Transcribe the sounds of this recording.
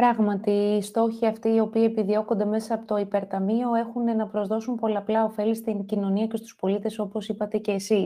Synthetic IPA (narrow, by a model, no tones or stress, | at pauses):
pɾɐɣmɐt̪iːst̪o̞çiɐft̪iːo̞piie̞piðio̞kond̪e̞me̞sɐːpot̪o̞ipe̞ɾt̪ɐmio̞e̞xune̞nɐpɾo̞zðo̞sumpo̞lɐːplɐo̞fe̞list̪iŋcino̞niɐce̞st̪u̥spo̞lit̪e̞so̞po̞sipɐt̪e̞ce̞ːsi